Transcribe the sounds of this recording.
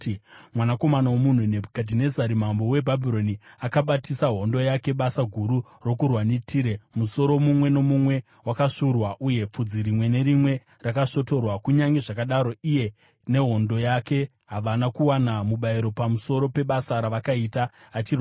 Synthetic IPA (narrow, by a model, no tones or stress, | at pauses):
mwanako̞manawomun̤unebkadine̞zaɾimambo̞we̞bʱabʱiro̞niakaɓatisaɦo̞ndo̞jake̞ɓasaɡʱuɾu | ro̞kurwanetʰiɾe̞muso̞ɾo̞mumwe̞no̞mumwe̞ | wakaʂurwaʔuje̞p͡fud͡ziɾimwe̞ne̞ɾimwe̞ | rakaʂo̞to̞rwakuɲaŋɡe̞ʐakaɗaɾo̞ije̞ | ne̞ɦo̞ndo̞jake̞ | ɦaʋanakuwanamuɓaiɾo̞pamuso̞ɾo̞pe̞ɓasaɾaʋakaitaːt͡ʃir